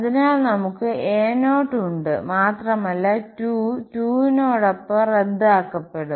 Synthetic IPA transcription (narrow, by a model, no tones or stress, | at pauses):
ɐðinaːɭnɐmukːɨeːnoːʈːuɳɖɨ̰maːt̪rɐmɐlːɐtuːtuːinoːɽɐpːore̞d̪ːaːkːɐpːe̞ɽu